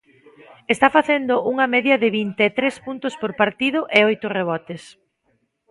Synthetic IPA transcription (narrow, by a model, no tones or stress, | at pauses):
est̪afaθend̪ʊʔuŋɐmɛðjɐðɪβint̪eːt̪ɾespunt̪ʊspoɾpaɾt̪iðʊʔeojt̪ʊreβ̞ɔt̪es